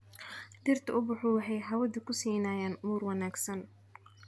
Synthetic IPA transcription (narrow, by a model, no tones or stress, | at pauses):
d̪ɪrt̪ʰɐʊbʊħʊːwɑħɛjɦɐwɐðʊkʰʊsiːnaːjaːnmuːrwɑnaːɡsɐn